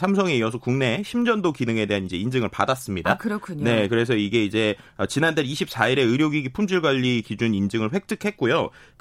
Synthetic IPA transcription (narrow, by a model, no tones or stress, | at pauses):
sʰamsʰʌŋijʌsʰʌkuŋne̞ɕʰimd͡ʑʌndokinɯŋe̞de̞ɦanid͡ʑe̞ind͡ʑɯŋɯɭpadas͈ɯmɲidakɯɾʌkʰuɲne̞kɯɾe̞s̬ʰʌiɡe̞id͡ʑe̞ | ʌt͡ɕinandeiɕʰip̚s͈aiɾe̞ɯɾjoɡiɡipʰumd͡ʑiɭɡwaʎːikid͡ʑunind͡ʑɯŋɯɭɸwe̞k̚t͈ɯkʰe̞k̚k͈ojo